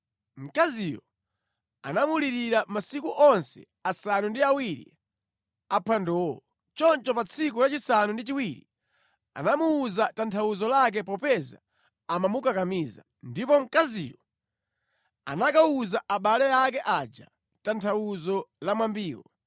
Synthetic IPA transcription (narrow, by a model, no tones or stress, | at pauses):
m̩kazijɔ | a̰namuliɾiɾamasikuʔɔnsɛ̰ | asanundiawiɾḭ | apʰwandɔɔ | t͡ʃɔnt͡ʃɔpat͡sʰik̬ulat͡ʃisanundit͡ʃiwiɾḭ | a̰namuːzatantʰawuzɔlak̬ɛpɔpɛza̰ː | mamukakamiza̰ | ndipɔm̩kazḭjɔ | a̰nakauzaʔaɓalɛak̬ɛʔad͡ʒa̰ | tantʰawuzɔlamwambiːwɔ